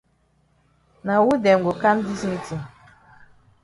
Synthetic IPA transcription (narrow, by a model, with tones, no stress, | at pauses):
na˨wu˦dɛ˨ŋ̩˨ɡo˨ka˦m̩˦di˦sni˦ti˨